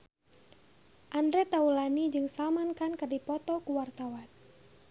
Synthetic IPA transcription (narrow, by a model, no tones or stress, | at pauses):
ʔandɾɛt̪aulanid͡ʒɨŋsamankankərdipɔt̪ɔkuwart̪awan